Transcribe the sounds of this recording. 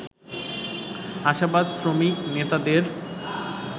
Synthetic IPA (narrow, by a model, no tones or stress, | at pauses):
aʃabad̪sɾomiknet̪ad̪eɾ